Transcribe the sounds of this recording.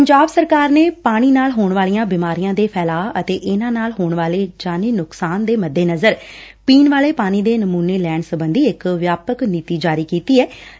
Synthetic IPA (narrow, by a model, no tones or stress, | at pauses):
pəɲd͡ʒaːbsəɾkaːɾneːpaːɽ̃iːnaːlɦoːɳʋaːlijãːbɪmaːɾijãːd̪eːpʰɛːlaːət̪eːʔɪnãːnaːlɦoːɳʋaːleːd͡ʒaːneːnʊksaːnd̪eːməd̪ːeːnəzəɾ | piːnʋaːleːpaːɽ̃iːd̪eːnəmuːneːlɛːɳsəbənd̪iːɪkʋjaːpəkniːt̪iːd͡ʒaːɾiːkiːt̪iːɛː